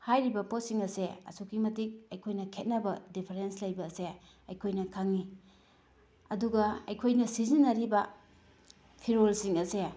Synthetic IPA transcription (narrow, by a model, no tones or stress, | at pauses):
hajɾibɐpot̚siŋɐseɐ̰sukʰimɐtik̚ɐjkʰojnɐkʰet̚nɐbɐdipʰɐɾenslɐjbɐːse | ɐjkʰojnɐkʰaŋi | ɐduɡɐɐjkʰojnɐsizinːɐɾibɐ | pʰiɾolsiŋɐse